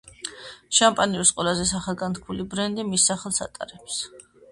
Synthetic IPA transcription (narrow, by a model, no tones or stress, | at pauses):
ʃampʼaniusqʼwɛlazɛsaχalˠɡant̪kʰulibɾɛnd̪imisːaχɛlˠsa̰t̪ʼa̰ɾɛps